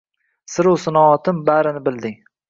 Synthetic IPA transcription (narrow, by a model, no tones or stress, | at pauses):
sɪɾusɪnɒɒt̪ʰɪmbaɾɪnɪbɪld̪ɪŋ